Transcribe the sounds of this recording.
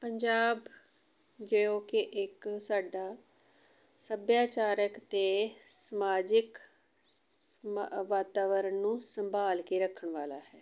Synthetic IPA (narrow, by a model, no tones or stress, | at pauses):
pəɲd͡ʒaːb | d͡ʒeoːkeʔɪksaːɖaː | səbjaːt͡ʃaːɾəkt̪eːsəmaːd͡ʒɪk | ʋaːt̪aːʋəɾənnũːsəmbaːlkiːɾəkʰːəɳʋaːla̰ːhɛː